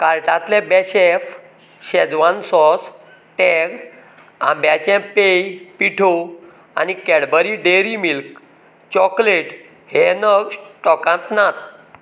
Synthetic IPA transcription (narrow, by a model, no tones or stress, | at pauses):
kaɾʈãt̪lɛbɛɕef | ɕɛd͡zʋãnsɔs | ʈɛɡ | ã̰mbjat͡ɕɛ̃pejpiʈʰo | anikɛɽbəɾiɖeɾimilk | t͡ɕɔkleʈ | henəɡsʈɔkãt̪nat̪̚